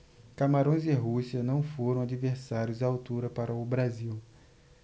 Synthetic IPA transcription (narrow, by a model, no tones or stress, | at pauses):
kamaɾõj̃zɪɦusiɐnɐ̃w̃foɾɐ̃w̃ad͡ʒiveɾsaɾjʊzawt̪uɾɐpaɾɐʊbɾaziw